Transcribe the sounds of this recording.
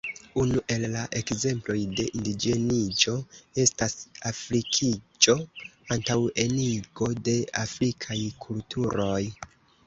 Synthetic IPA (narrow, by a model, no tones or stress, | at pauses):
unuʔe̞lːaʔe̞kze̞mplo̞jde̞ʔindid͡ʒe̞nid͡ʒo̞e̞stasafɾikʰid͡ʒo̞antawe̞niɡo̞de̞afɾikʰajkʰultʰuɾo̞j